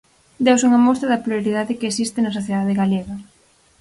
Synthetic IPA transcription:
d̪ewsuŋɐmɔst̪ɾɐðɐploɾiðaðɪkeesist̪ɪnɐsoθjeðaðɪɣaleɣɐ

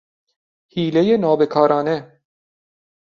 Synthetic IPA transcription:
hiːlejenɒːbe̞kʰɒːɾɒːne

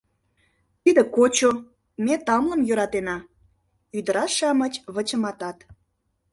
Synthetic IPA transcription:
t̪id̪ĕkot͡ɕo | met̪ɑmlə̆mjøɾɑt̪enɑ | yd̪əɾɑʃɑmət͡ɕβət͡ɕəmɑt̪ɑt̪

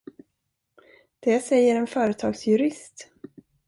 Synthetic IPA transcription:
d̪̥ɛsɛjːəɾɛnfœːɾət̪ʰɑːɡsjɵɾɪst̪

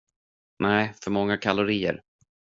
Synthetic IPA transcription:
nɛɪfœɾmɔŋːakʰalʊɾiːə̰ɾ

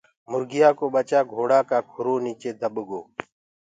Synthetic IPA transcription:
mʊɾɡɪjaːkoːɓət͡ʃaːɡʱoːɽaːkaːkʰʊɾoːniːt͡ʃeːd̪əɓɡoː

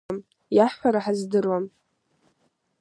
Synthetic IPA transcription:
m | jaħʷːaɾaħazdɨrwam

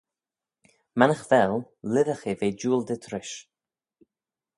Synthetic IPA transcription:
manəxvɛl | lɪðəxeveːd͡ʒuːld̪ət̪ʰɾɪʃ

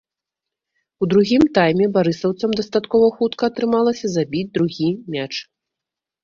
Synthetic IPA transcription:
ud̪ɾuɣʲimt̪ajmʲɛbaɾɨsɐwt̪sɐmd̪ɐst̪at̪kɔvɐxut̪kɐːt̪ɾɨmalˠɐsʲɐzabʲid͡zʲd̪ɾuɣʲimʲat͡ʂ

